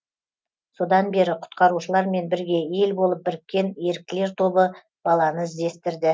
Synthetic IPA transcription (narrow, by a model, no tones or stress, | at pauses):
so̞d̪ɑnbe̞ɾɪqʰʊ̥t̪qɑɾuʃəlˠɑɾme̞nbɪɾɡʲe̞e̞lbo̞lˠəp̚bɪɾɪk̚ʲːe̞ne̞ɾɪk̚k̪ʲːɪle̞ɾt̪ʰo̞bə | b̥ɑlˠɑnəɪzd̪e̞st̪ɪɾd̪ɪ